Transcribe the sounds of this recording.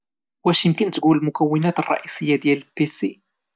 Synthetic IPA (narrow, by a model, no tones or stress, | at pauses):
wæʃjəmkənt̪ɡuləlmʊkæwːɪnæt̪ərˤːɑ̰ʔisˤəjːad̪jælpesi